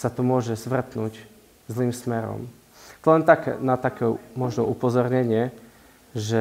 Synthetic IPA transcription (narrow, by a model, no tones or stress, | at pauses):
sat̪ɔmʊɔʒɛzʋr̩t̪nuːɟ | zliːmsmɛɾɔ̰m | t̪lɛnt̪akɛ̰nat̪akɛmɔʒnɔʔupɔzɔɾɲɛɲɪɛ | ʒɛ